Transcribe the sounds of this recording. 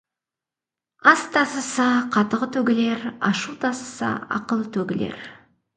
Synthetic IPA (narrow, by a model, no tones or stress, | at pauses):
ɑst̪ʰɑsəsɑqʰɑt̪əʁət̪ʰɵɡʲɪle̞ɾɑʃut̪ʰɑsə̥sɑ̰ɑ̰qəlˠət̪ʰɵɡʲɪlḛɾ